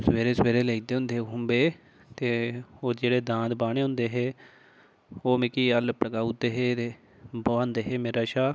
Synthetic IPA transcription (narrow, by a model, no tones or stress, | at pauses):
səʋeːɾeːsʋeːɾeːleːkd̪eːɦʊ̃nd̪eːɦʊmbeː | t̪eːoːd͡ʒeːɽeːd̪ãːd̪baːɽeːɦʊ̃nd̪eːɦeː | oːmɪkiːəlpɾəkaːutd̪eːɦeːt̪eː | boãːnd̪eːɦeːmeːɾaːʃaː